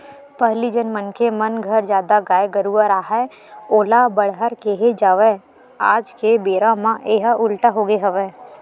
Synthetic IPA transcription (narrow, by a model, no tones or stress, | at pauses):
pəɦlid͡ʒənmənkemənɡʱəɾd͡ʒjaːd̪aɡaːeɡəɾuəɾaːɦɛ | oːlabəɽɦəɾkeɦed͡ʒaːʋɛ | a̰ːd͡ʒkebeːɾamãʔeːɦaʔʊlʈaɦoːɡeɦəʋɛː